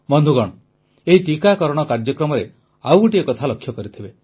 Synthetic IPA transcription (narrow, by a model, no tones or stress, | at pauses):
mɔnd̪ʱuɡɔɽ̃ɔ | eɦiʈikakɔɾɔɽ̃ɔkaɾd͡ʒjɔkɾɔmɔɾe | awuʈiekɔt̪ʰalɔkʰːjɔkɔɾit̪ʰibe